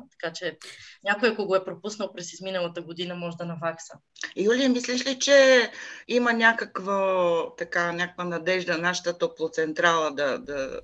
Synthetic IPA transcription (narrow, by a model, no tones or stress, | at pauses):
t̪ɐ̥kat͡ʃɛnʲakojakoɡoɛpɾopusnəlˠpɾɛsizminəlˠɐt̪əɡod̪inəmɔʒɛd̪ɐnɐvaksə | julimislɛʃlit͡ʃɛ | imənʲakəkvot̪ɐkanʲakəkvənɐd̪ɛʒd̪ɐnaʃə̥t̪ət̪oplˠot̪sɛnt̪ɾalˠəd̪ɐd̪ɐ